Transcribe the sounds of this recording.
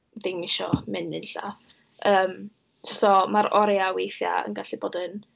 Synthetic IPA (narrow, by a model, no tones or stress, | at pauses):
d̥imɪʃɔmɪnɪnɬa̰ | əːm | sɔmaɾɔɾjawejθja̰ə̰nɡaɬiboːdən